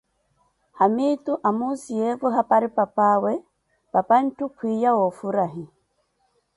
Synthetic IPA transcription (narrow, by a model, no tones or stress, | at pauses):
hamituʔamusiɛvɔɦapaɾipapawɛ | papan̩tukʰʷwijawɔfuɾaɦi